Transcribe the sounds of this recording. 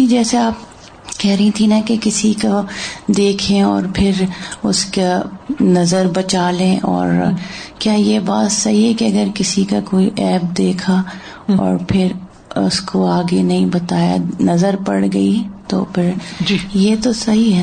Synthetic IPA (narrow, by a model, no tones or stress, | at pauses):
id͡ʒɛːseaːp̚ | kɛɦɾɐɦĩt̪ʰinɐkekɪsikad̪eːkʰẽɔ̰ːɾpʰɪɾʊskanɐzəɾbɐt͡ʃaːlẽʔɔ̰ːɾkjaːjebaːt̪sɐɦiɦɛkeɐɡəɾkɪsikakoːiʔɛːp̚d̪eːkʰa | ɔ̰ːɾpʰɪɾ | ʊ̰skoaːɡenɐɦĩbɐt̪aːja̰nɐzəɾpɐɽɡɐit̪o̰pʰɪɾd͡ʒjet̪osɐɦiɦɛ